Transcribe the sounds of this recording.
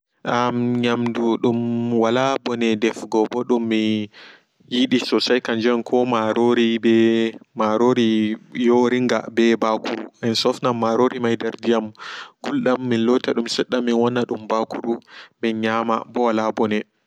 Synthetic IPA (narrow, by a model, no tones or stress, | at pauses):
ʔamɲamduɗumwalabɔnɛdɛfɡɔbɔɗumːi | jiɗisɔsajkaɲd͡ʒɛnkʰɔmaɾoɾibɛmaɾoɾijoɾiŋɡa̰bɛbakuuɛnsɔfnamːaɾoɾimajdaɾdijamɡulɗamːinlɔtaɗumsɛɗːamːinwanːaɗumbakuɾuminɲama̰bɔwalabɔnɛ